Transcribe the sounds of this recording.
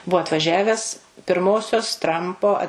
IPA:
ˈbuɔ ɐtʋɐˈʒʲæːʋʲɛs pʲɪrˈmoːsʲoːs ˈtrɐmpoː ɐ

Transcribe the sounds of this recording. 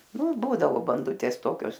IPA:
ˈnʊ ˈbuːdɐʋoː bɐnˈdʊtʲeːs ˈtoːkʲoːs

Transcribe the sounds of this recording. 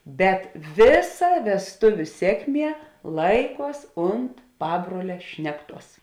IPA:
bʲɛt ˈʋʲeːˌsɐ ʋʲɛsˈtʊʋʲʊ ˈsʲeːkˌmʲiɛ ˈlˠɐɪˌkuɔs ˈʊnt ˈpɑːbruɔlʲɛ ˈʃʲnʲæːkˌtuɔs

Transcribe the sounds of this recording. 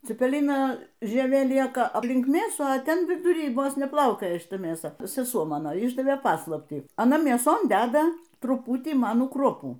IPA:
t͡sʲɪpʲɛˈlʲɪnɐ ʒʲiɛˈʋʲeː ˈlʲiɛkɐ ɐpʲˈlʲɪŋk ˈmʲeːsuː ɐ ˈtʲɛn ʋʲɪdʊˈrʲiː ˈʋoːs nʲɛˈplˠɐʊkʲoːjɛ ʃʲɪˈtɐ mʲeːˈsɐ sʲɛˈsuɔ ˈmɑːnoː ˈɪʒdɐʋʲeː ˈpɑːslˠɐpʲtʲiː ɐˈnɐ mʲeːˈsoːn ˈdʲæːdɐ trʊˈpʊtʲiː ˈmɑːnuː ˈkruɔpuː

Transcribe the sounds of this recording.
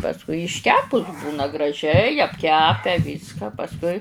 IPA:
pɐsˈkʊɪ ɪʃʲˈkʲæːpʊs ˈbuːnɐ ɡrɐˈʒʲɛɪ ɐpʲˈkʲæːpʲɛ ˈʋʲiːskɐ pɐsˈkʊɪ

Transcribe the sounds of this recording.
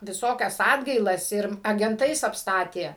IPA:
ʋʲɪˈsoːkʲɛs ˈɑːdɡɐɪlˠɐs ɪr ɐɡʲɛnˈtɐɪs ɐpˈstɑːtʲeː

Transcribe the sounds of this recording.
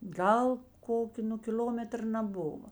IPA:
ˈɡɐlˠ ˈkoːkʲoː nʊ kʲɪˈlʲoːmʲɛtr nɐˈbʊʋɐ

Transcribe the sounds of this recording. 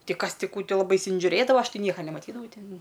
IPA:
ˈtʲɪ ˈkɐs ˈtʲɪ ˈkuː ˈtɐɪ lˠɐˈbɐɪ ɪnʲsʲɪʒʲʊˈrʲeːdɐʋɐ ˈɐʃ ˈtʲɪ ˈnʲiɛkɐ nʲɛmɐˈtʲiːdɐʋɐʊ ˈtʲɪn

